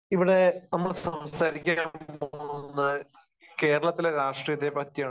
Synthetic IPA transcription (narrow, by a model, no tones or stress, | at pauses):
iʋiɽe̞nɐmːɐɭsɐmsaːɾikʲːamnːɨ | ke̞ːɾɐɭɐt̪ːileɾaːʂʈrijɐd̪ʱebɐt̪ːijaːɳ